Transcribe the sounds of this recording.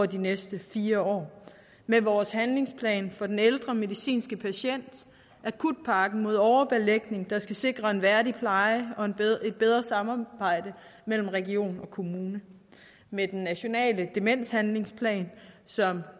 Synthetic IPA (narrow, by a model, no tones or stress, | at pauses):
ɒdinesd̥əfiːɐɒ̰ː | meʋɒːshænle̝ŋspʰlɛ̰ːnfɒ̽d̥eneld̥ʁɐme̝ðˠisḭːnsɡ̥əpʰæɕen̰d̥ | ʔækʰud̥̚pʰɑ̈ːɡ̥n̩mo̝ð̞̰ˠɒʊɐb̥eleɡ̥ne̝ŋd̥ɑ̈sɡ̥æse̝ɡ̥ʁɐe̝nʋæɐɾipʰlɑ̈ɪɒ̽e̝d̥̚b̥eð̞ˠʁɐsɑ̈mɑb̥ɑ̈ɪ̰d̥əmel̰m̩ʁɛɡio̝̰ːnɒ̽kʰo̝muːnə | med̥enːæɕo̝nɛ̰ːləd̥e̝men̰shænle̝ŋspʰlɛ̰ːnsɒ̽m